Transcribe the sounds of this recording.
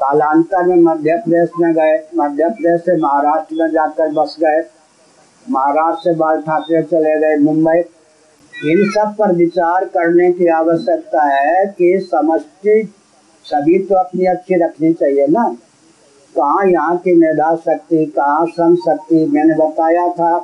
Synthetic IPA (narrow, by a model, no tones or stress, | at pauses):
kaːlãːnt̪amẽmɐd̪ʱjəpd̪eːsmẽɡɐemɐd̪ʱjəpəd̪eːsemɐɦaɾaːʃʈɾmẽd͡ʒaːkəɾbɐsɡɐe | mɐɦaɾaːʃʈsebaːlʈʰaːt̪ɾet͡ʃɐleɡɐemʊ̃mbəi | ɪnsəb̚pɐɾʋɪt͡ʃaːɾkɐɾnekiaːʋəʃjək̚t̪aɦɛkisɐməst̪i | sɐbʱit̪oɐpniɐtːʃʰiɾɐkʰnit͡ʃaːɦienaː | kɐɦãjɐɦãkimeɾd̪aːsɐk̚t̪ikɐɦãsɐ̃md͡ʒsɐk̚t̪imɛ̃ːnebɐt̪aːjat̪ʰaː